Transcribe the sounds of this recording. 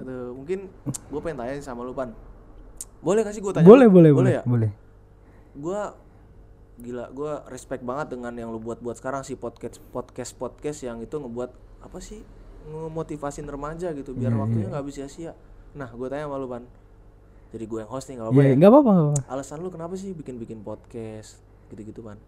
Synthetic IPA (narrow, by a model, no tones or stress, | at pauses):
t̪umuŋkɪnɡuapaŋt̪aɲasamalopan | bolɛhkas̬iɡuat̪abolɛhbolɛhboljabolɛ | ɡua | ɡila̰ɡuarɛspɛk̪̚baŋət̪̚dəŋanjaŋlobuat̪̚buat̪̚sə̥kaɾaŋsɪhpɔt̪̚kɛspɔt̪kɛspɔt̪̚kɛsjaŋit̪uŋəbuat̪̚ | apasɪhŋəmot̪ifasiɪnərəmad͡ʒaɡit̪uiarwakkt̪uɲaŋɡaːbɪsiasia | nahɡuat̪aɲapalupan | d͡ʒadiɡuajaŋhɦost̪ɪhŋɡapajaŋɡapapaŋɡapapaalasanlokənapas̬ɪhbikɪnbikɪnpot̪̚kɛst̪̚ | ɡ̥it̪uɡit̪upan